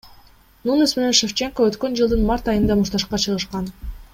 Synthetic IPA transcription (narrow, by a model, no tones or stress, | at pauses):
nunysmeneʃeft͡ʃe̞ŋkoøt̪kø̞nd͡ʒɯlˠd̪ɯnmɑɾt̪ɑjɯnd̪ɑmuʃt̪ɑʃqɑt͡ʃʰɯʁɯʃqɑn